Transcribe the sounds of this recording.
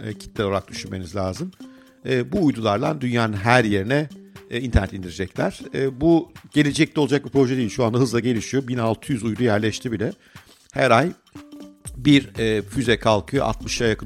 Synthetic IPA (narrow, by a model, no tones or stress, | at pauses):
ɛcʰi̥t̪̚lʲɛooɾak̚d̪yʃynme̞̰nizlʲaːzɯm | ɛːbuːjd̪ulˠaɾd̪and̪ynjaːnɯnɦæɾje̞ɾinɛint̪ʰæɾnɛt̪ʲind̪iɾed͡ʒɛclʲæɾ̥ɛːbuɟ̥e̞lʲe̞d͡ʒɛc̚lʲɛo̞lˠad͡ʒak̚bipɾo̞ʒɛd̪ejilʲʃuand̪aɦɯzlˠaɟe̞lʲiʃijo̞binalˠt̪ʰɯjyzujd̪ujæɾlʲɛʃt̪ʰibilʲɛ | hæɾaj | biɾɛːfyzɛkʰalˠkʰɯjo̰ʔa̰t̪mɯʃajakʰɯ